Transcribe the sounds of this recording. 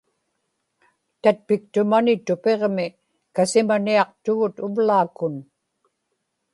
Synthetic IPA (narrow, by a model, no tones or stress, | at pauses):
t̪at̪̚pɪk̚t̪ʊmanɪt̪ʊpe̞ʁmɪ | kasɪmaniɑq̚t̪ʊɣʊt̪ʊvlaːkʊn